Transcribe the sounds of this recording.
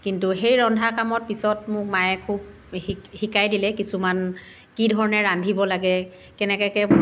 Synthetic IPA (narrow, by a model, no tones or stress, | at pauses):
kintuxejɹɔndʱakamɔt̚pisɔtmʊk̚majɛkʰub̚ | ixikajdilɛkisuman | kidʱɔɹɔnɛɹandʱibɔlaɡɛ | kɛnɛkɛkɛ